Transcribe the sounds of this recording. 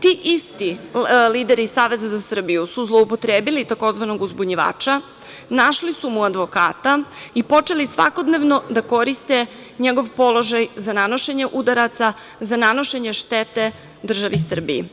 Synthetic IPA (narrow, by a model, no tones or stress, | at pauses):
t̪iːʔist̪iliːd̪eɾiːsaːʋe̞zazasr̩bijusuzlˠo̞upo̞t̪ɾeːbilit̪ako̞zʋano̞ɡuzbuɲiʋa̰ːt͡ʃa | naʃlisumuad̪ʋo̞ka̰ːt̪aipot͡ʂe̞lisʋa̰ko̞d̪neʋno̞d̪ako̞ɾist̪e̞ | ɲeɡo̞ʋpo̞lo̞ʒajzanano̞ʃe̞ɲe̞ʔud̪aɾat̪sa | zanano̞ʃe̞ɲeʃt̪et̪e̞ | d̪r̩ʒaʋisr̩bijḭ